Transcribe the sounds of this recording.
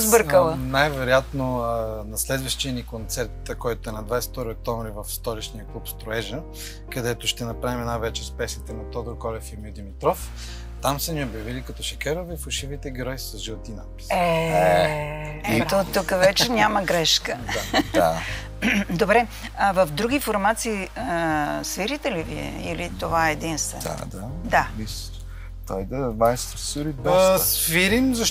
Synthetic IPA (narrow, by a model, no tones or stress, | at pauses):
zbɤɾkəlˠənajvɛɾojat̪nonɐslɛd̪vəʃt̪iənikont̪sɛɾt̪kɔjt̪oɛnɐd̪vajsɛ̥ft̪ɔɾiok̚t̪ɔmɾivɐfst̪ɔlit͡ʃnijəklˠupst̪ɾoɛʒə | kɐd̪ɛt̪oʃt̪ɛnɐpɾavimnajvɛt͡ʃɛspɛsit̪ɛnɐt̪ɔd̪ɾokɔlʲɛfimiod̪imit̪ɾɔf | t̪amsəniobjɐvilikɐt̪ɔʃɐkɛɾovɛfɐʃivit̪ɛɡiɾɔjisɐzʒilˠt̪ina̰t̪̚pi̥sɛ | ɛt̪ot̪ukəvɛt͡ʃɛnʲaməɡɾɛʃkəaa | d̪obɾɛ | əvəfd̪ɾuɡʲifoɾmat̪siː | sviɾit̪ɛliviɛ̰ilit̪ovaɛd̪inst̪vɛ̰nd̪a̰d̪ad̪ais | t̪ojd̪ɐmajst̪ɾsuɾit̪d̪ɔsviɾimzɐʃ